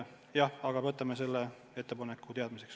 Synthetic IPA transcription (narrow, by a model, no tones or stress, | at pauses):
jɑɑɡ̥ɑvɤt̪ːˑɑmese̞lːe | e̞t̪ːepɑnekːˑut̪e̞ɑd̪̥mise̞ks